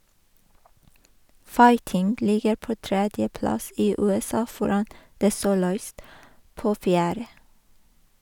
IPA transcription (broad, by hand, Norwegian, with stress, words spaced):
ˈfɑɪtɪŋɡ ˈlɪɡəɾ ˈpoː ˈtɾɛdjəˌplɑs ˈiː ˌʉːɛˈsɑː ˈfɔɾɑn ˈdeː ˈsuːlʊˌiːst ˈpoː ˈfjæːɾə